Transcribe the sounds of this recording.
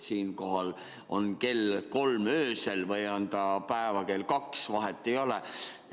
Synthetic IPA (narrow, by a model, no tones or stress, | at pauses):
siːnkoɦɑl | o̞nke̞lko̞lmøːselvɤjɑnd̪̥ɑpæevɑke̞lkɑksʋɑɦet̪ːejolɛ